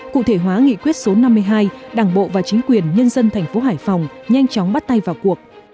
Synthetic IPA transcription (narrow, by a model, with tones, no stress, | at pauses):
kṵ˧˨t̪ʰe˧˩ɦwaː˨˦ŋḭ˧˨kwi˦˥ət̚so˨˦na˧mːɨ˧əjɦaː˧jɗaː˧˩ŋɓo̰˧˨vaː˨˩t͡ɕï˨˦ŋ̟kwi˨˩ənɲə˧nzə˧nt̪ʰɛ˨˩ŋ̟fo˨˦ɦaː˧˩jfɔ˨˩wŋ͡mɲa˧jŋ̟t͡ɕɔ˨˦ŋ͡mɓa˦˥t̚t̪a˧jvaː˨˩wku˨˩ək̚